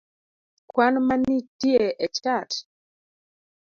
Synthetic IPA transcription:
kwanmanitieʔɛt͡ʃat

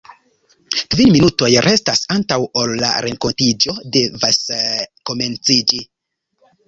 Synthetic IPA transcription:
kvinminuto̞jɾʔe̞stasantawolːa̰ɾe̞ŋko̞ntid͡ʒo̞de̞vasko̞me̞nt͡sid͡ʒi

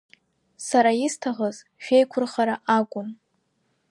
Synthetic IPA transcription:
saɾaistʰaʁəz | ʃᶣejkʷʰʊrχaɾaʔakʷʼʊm

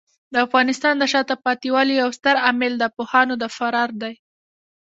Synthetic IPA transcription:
d̪əafɣɑnɪst̪ɑnd̪əʃɑt̪əpɑt̪iwɑlijawst̪əɾamɪld̪əpohɑnod̪əfaɾɑɾd̪aj

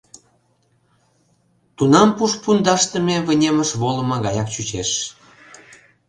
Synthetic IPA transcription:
t̪unɑmpuʃpund̪ɑʃt̪ə̆mʲeβə̆nʲeməʃβolɤ̆mɑɣɑjɑkt͡ɕyt͡ɕeʃ

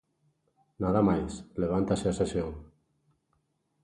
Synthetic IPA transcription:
naðamajsleβ̞ant̪aseasesjoŋ

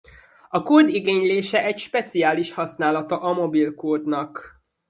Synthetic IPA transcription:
ɒkoːd̪iɡeːɲleːʃɛʔɛcʃpɛt̪siaːliʃhɒsnaːlɒt̪ɒʔɒmo̞bilkoːd̪nɒk

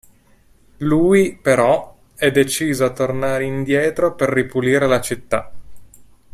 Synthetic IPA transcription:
luːipeɾɔ | ɛd̪et͡ʃiːzoat̪ːornaːɾeind̪jɛːt̪ɾoperːipuliːɾelat͡ʃit̪ːa̰

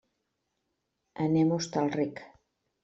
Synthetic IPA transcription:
ənemost̪alˠrik

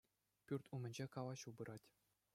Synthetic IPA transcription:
pʲyrt̪ʲumʲɘ̆nʲd͡ʑekɑʋɑɕubɤ̆ɾʔɑtʲ

